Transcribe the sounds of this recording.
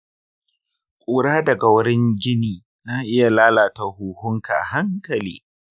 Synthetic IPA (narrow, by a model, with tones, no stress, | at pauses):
kʷʼuː˨ɽaː˦dɐ˨ɡa˨wʊ˦ɽɪ˦ɲɡʲɪ˦niː˨ | naː˦ʔɪ˦ja˨laː˦laː˨ta˨huː˨hʊ˦ŋka˨ʔa̰˨ɦa˦ŋkɐ˨lḭː˦